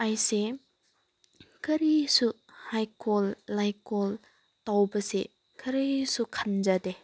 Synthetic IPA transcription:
ajse | kʰɐɾisu | hajkɔlːajkol | tawbɐse | kʰɐɾisukʰand͡ʒade

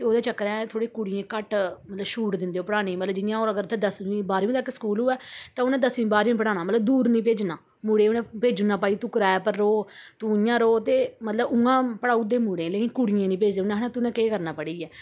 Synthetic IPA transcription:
t̪eoːd̪eːt͡ʃəkːɾɛ̃ːt̪ʰoːɽeːkʊɽɪjẽːkəʈmət̪ləbʃuːʈd̪ɪ̃nd̪eːoːpəɽaːniːmət̪ləbd͡ʒɪjãːoːɾəɡəɾt̪ʰɛd̪əsʋĩːbaːɾʋĩːt̪əkːsə̥kuːlɦoːɛːt̪ãːʊnɛ̃ːd̪əsʋĩːbaːɾĩːpəɽaːnaːmət̪ləb̚d̪uːɾnĩːpeːd͡ʒnaː | muːɽeːnẽːpeːd͡ʒnaːpaːiːt̪uːkɾaːɛpəɾːoːt̪ũjãːɾoːt̪eːmət̪ləbʊŋɡãːpəɽaːud̪eːmuːɽẽːleːkɪnkʊɽɪjẽːnĩːpeːd͡ʒd̪eːʊnɛ̃ːɦnãːt̪ʊnɛ̃ːkeːkəɾnaːpəɽiːɛː

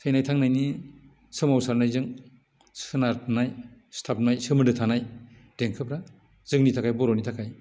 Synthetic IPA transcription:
sʰɯjnajtʰaŋnajni | sɯmawsaɾnajzɯŋ | sɯnaɾtnajstʰap̚najsɯmɯdɯtʰanaj | d̥eŋkʰɯp̚ɾa | z̥ɯŋnitʰakʰajbɔɾɔnitʰakʰaj

